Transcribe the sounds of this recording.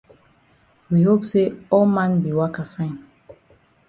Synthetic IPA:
wi˨ho˦pse˦ɔ˦lmã˦nbi˨wa˦ka˨fɛ̃˦n

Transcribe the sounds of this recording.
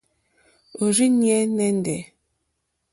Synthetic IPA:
o˨ɾi˦njɛ˦nɛ˦n˦dɛ˨

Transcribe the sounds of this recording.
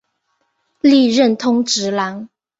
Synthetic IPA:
li˥˧ɻə˥˨nt̪ʰʊ˥ŋʈ͡ʂɻ̩˧˥la˧˥ŋ

